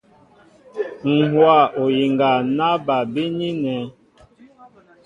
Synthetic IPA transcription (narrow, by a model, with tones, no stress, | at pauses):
ŋ̩˨hwa˦˨o˨ji˨ŋɡa˨na˦ba˨be˦ni˦nɛ˨˦